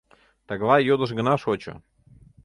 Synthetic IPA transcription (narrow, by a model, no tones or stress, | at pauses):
t̪ɑɡlˠɑjod̪ə̆ʃɡə̆nɑʃot͡ɕo̰